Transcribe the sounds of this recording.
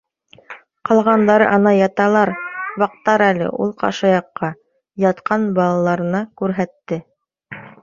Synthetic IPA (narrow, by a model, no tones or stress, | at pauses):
qɑlˠʁɑnd̪ɑɾɤ̰ʔɑnɑjɑt̪ɑlˠɑɾbɑq̚t̪ːɑɾælɘ̰ʔṵlˠqɑ̰ʃɤjɑqːɑ | jɑt̪qʰɑnbɑlˠɑlˠɑɾɤ̆nɑkʉɾɦæt̪ːɘ